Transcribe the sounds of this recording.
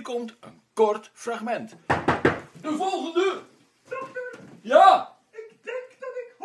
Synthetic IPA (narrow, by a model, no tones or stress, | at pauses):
kɔmtə̰nkɔrtfraχmɛnt | dəvɔlˠχəndə̥ | təjaː | ɪkdɛŋkdɪk